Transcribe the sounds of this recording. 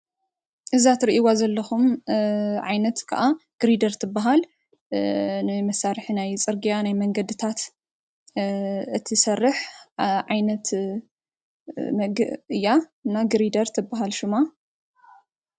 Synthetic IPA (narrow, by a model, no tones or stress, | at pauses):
ʔɨzat̪ɾiʔiwazɐlːɐxum | ʕajnɐt̪kʰɐ̰ʔaɡ̥ɨɾid̪ɐɾt̪ʰɨbːaɦal | nɨmɐsaɾħinajt͡sʼɨɾɡijanajmɐŋɡɐd̪ɨt̪ʰat̪ | ɨt̪ʰisɐrːɨħʕajnɐt̪ | ɡɨɨjːaɨnːaɡɨɾid̪ɐɾt̪ʰɨbːaɦalʃɪma